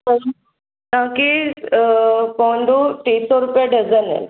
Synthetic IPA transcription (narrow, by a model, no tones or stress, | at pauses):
ə | nãki | pɔɳɖuʈesɔɾupjaɖəd͡zənḛl